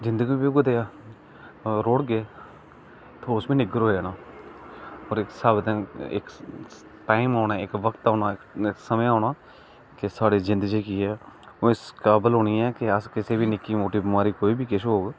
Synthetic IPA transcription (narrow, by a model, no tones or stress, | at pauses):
d͡ʒɪ̃nd̪əɡiːbiːɡʊd̪eːaː | ɾoːɽɡeː | t̪ʰoːʊsbiːnɪɡəɾɦoːeːnaː | ɔːɾɪksəbd̪ẽːɪ̰k | ʈaːɪmaːʊnaːɪkʋəkt̪aːnaːɪkɪksəmeaːʊnaː | kɪsaːɽiːzɪ̃nd̪əd͡ʒiːkiːɛː | õːɪskaːbəlɦoːɳiːɛːkɪəskɪseːbiːnɪkːiːmoːʈiːbmaːɾiːkoːiːbiːkɪʃɦoːɡ